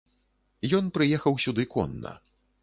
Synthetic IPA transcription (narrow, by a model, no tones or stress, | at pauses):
jɔnpɾɨjɛxɐwsʲud̪ɨkɔ̰nːɐ̰